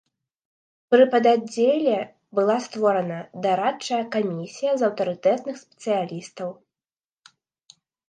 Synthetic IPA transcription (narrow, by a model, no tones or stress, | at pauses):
pɾɨpɐd̪ad͡zʲːelʲɛ | bɨlˠast̪vɔɾɐnɐd̪aɾat͡ʂːɐjɐkamʲisʲijɐzɐwt̪ɐɾɨt̪ɛt̪nɨxspʲɛ̥t̪sɨjalʲist̪ɐw